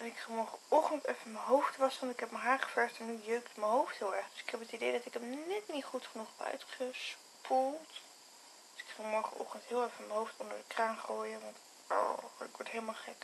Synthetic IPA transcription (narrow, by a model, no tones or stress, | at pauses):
dɑtɪkfəmɔɹχəɔχtəntɛfəməɦowftʋɑsʋɑntɪkɦɛpməɦaːχə̥fɛɹstɛnːyjøɥktməɦowftɦɪːlˠɛɹχd̥ɵsɪ̥kɦɛpətidejdɑtɪkəmnɛtnitχutχənuχɛpœ̰ɥtχəs | pʰulˠt | d̥øsɪ̥kəmɔɹχə̰ʔɔ̰χtəntɦɪːlˠɛɹfəməɦowftɔndəɹdəkraːnχoːjəʋɑnt | ɔ̰ɪ̰kʋɔɹtɦejləmaːlˠχɛk